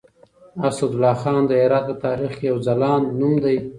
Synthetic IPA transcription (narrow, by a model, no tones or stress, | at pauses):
asad̪ʊlɑːxɑːnd̪əeɾɑt̪̚ət̪ɑːɾixkjawzalɑːnːumd̪aj